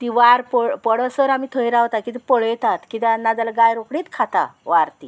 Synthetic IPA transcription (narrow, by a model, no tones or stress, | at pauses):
t̪iʋaɾppəɽəsəɾamit̪ʰəjɾaʋt̪akit̪̬ɛpəɭəjt̪at̪kit̪ãnːad͡zalaɡajɾokɽiːt̪kʰat̪a̰ʋaɾt̪i